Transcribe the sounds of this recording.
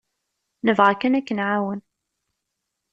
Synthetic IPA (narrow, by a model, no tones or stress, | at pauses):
nəvʁakːænækːənʕawən